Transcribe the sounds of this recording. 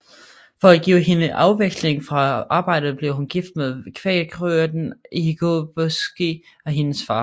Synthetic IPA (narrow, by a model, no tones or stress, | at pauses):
fɒ̽æɡ̥iʊ̰ɦe̝nəʔɑ̈ʊʋeɡ̥sle̝ŋfʁɑ̈ʔɑ̈ːb̥ɑ̈ɪ̰d̥ð̩ˠb̥leʊɦunɡ̥ifd̥meðˠkʰʋɛːɡ̥ʁøɐd̥n̩ʔiɡ̥ob̥osɡ̥i | ɒ̽ɦe̝nəsfɑ̈ː